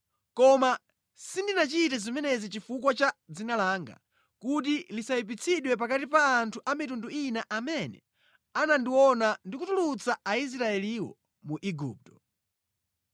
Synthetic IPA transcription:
kɔma | sindinat͡ʃitɛzimɛnɛzit͡ʃifukwat͡ʃad͡zinalaːŋɡa̰ | kut̬ilisaipit͡sʰiɗwɛpakatipaːntʰuʔamitunduinaʔamɛnɛ̰ | anandiwɔnandikutulut͡sʰaais̬ɾaɛliwɔ̰ | muʔiɡuːp̚tɔ̥

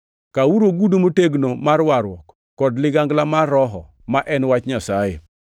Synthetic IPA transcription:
kawuɾoɡudumoteɡnomarwaɾwɔkːɔdlɪɡaŋɡlamarːɔɦɔ̰ | maʔɛnwat͡ʃɲasajḛ

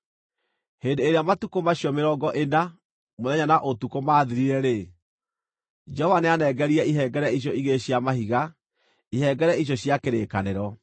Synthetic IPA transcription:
hendeeɾeamatukomaɕjɔmeɾɔːɡɔʔena | moðɛɲanaʔotukomaːðiɾiɾɛɾe | d͡ʒɔɔvaneanɛɡɛɾiɛiɦɛɡɛɾɛiɕ̬jɔiɣeɕjamahiɣa | iɦɛɡɛɾɛiɕ̬jɔɕjakeɾeːkaneɾɔ

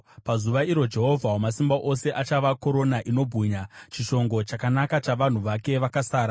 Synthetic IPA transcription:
pazuʋaiɾo̞d͡ʒe̞ɦo̞vʱawomasimbaʔo̞se̞ʔat͡ʃaʋako̞ɾo̞naʔino̞bʱuɲat͡ʃiʃo̞ŋɡo̞t͡ʃakanakat͡ʃaʋan̤uʋake̞ʋakasaːɾa

